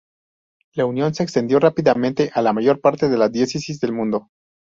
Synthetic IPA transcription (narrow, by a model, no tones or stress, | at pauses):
launjo̞nse̞ːkst̪e̞nd̪jo̞rapiðamẽ̞nt̪e̞ʔalamaʝo̞ɾpaɾt̪e̞ðe̞laðjesisizðe̞lmũnd̪o̞